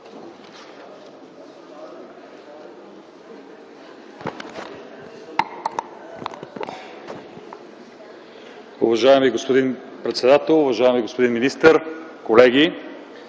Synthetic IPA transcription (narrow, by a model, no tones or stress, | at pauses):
uvɐʒaɛmiɡospod̪in | pɾɛt̪sɛd̪at̪ɛlˠʊvɐʒaɛmiɡospod̪inminist̪əɾkolɛɡʲi